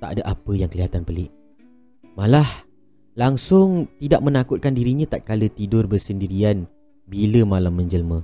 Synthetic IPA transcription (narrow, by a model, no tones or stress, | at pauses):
t̪aʔa̰daʔapəjaŋkəliɦat̪anpəlɪʔ | malah | laŋsʊŋt̪idaʔ̚mə̃nakʊt̪̚kandiɾiɲãt̪at̪̚kalət̪idʊrbərsəndiɾian | biləmalamːə̃ɲd͡ʒəlmə̃